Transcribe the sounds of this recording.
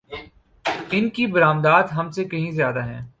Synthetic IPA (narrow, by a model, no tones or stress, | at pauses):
ɪnkibɐɾaːmd̪aːd̪ɦɐmsekɐɦĩzjaːd̪aɦɛ̰̃ː